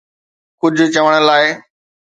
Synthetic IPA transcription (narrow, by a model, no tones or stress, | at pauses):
kʊd͡ʑʱʊ̆t͡ɕɐʋəɽ̃əlaːɪ